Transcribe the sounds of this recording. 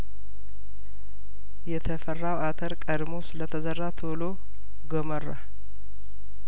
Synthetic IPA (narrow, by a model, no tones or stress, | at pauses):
jɛt̪ʰəfərːawat̪ʰəɾkʼəd̪mo̞sɨlət̪ʰəzərːat̪ʰolo | ɡomərːa̰